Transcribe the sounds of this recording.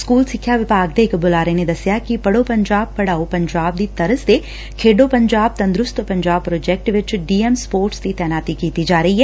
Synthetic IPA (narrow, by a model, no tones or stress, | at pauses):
skuːlsɪkʰːjaʋɪpaːɡ̚d̪eːkbʊlaːɾened̪ɐsjakipɐɽopɐ̃ɲd͡ʒaːb̚pɐɽaːopɐ̃ɲd͡ʒaːb̚d̪it̪ɐɾəsd̪e | kʰeːɖopɐ̃ɲd͡ʒaːb̚t̪ɐ̃nd̪ɾʊst̪pɐ̃ɲd͡ʒaːb̚pɾoːd͡ʒɛːk̚ʈʋɪt͡ʃɖiːemspoːɾʈst̪it̪ɛːnaːt̪ikiːt̪id͡ʒaːɾɐɦiɦɛː